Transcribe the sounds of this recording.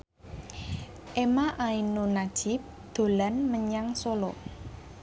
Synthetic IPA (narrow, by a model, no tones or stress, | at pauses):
ʔemaʔainonad̥ʒ̥ɪp̚ | d̪̥o̤lanməɲaŋsolɔ